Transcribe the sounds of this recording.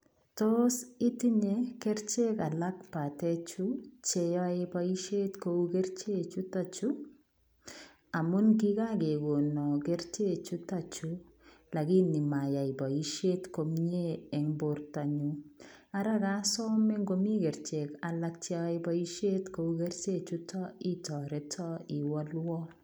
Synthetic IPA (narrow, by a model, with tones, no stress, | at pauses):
tɔsi˦ti˦ɲɛkɛ˦ɾt͡ʃɛka˨lakpa˨tɛt͡ʃu˦t͡ʃɛja˦e˦pa˦i˦ʃe˦tkoukɛ˦ɾt͡ʃe˦t͡ʃu˦tat͡ʃu˦ | a˨mu˦nki˦ka˦ke˨ɡo˨nɔ˨kɛ˦ɾt͡ʃe˦t͡ʃu˦tat͡ʃu | la˨ki˦ni˨ma˨ja˨i˨ba˨i˦ʃe˦tko˨mɲeː˦˨ŋbo˨ɾta˨ɲua˦ɾa˦ka˦sɔ˦mɛ˦ŋɡo˦mi˦kɛ˨ɾt͡ʃe˨ka˨la˦k̚t͡ʃe˦ɔ˦e˦ba˦i˦ʃe˦tko˦u˦ke˦ɾt͡ʃe˦t͡ʃu˦tɔ˦i˦tɔ˨ɾɛ˦tʰɔ˦i˨wɔ˦lwɔ˦